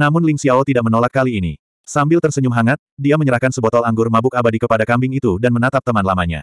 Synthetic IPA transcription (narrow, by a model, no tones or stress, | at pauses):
namʊnliŋsiawɔt̪idaʔ̚mənolakːaliːni | sambɪlt̪ərsəɲumɦaŋat̪̚diaməɲəɾahkansəbɔt̪ɔlaŋɡʊrmabʊk̚abadikəpadakambɪŋit̪udanmənat̪ap̚t̪əmanlamaɲa̰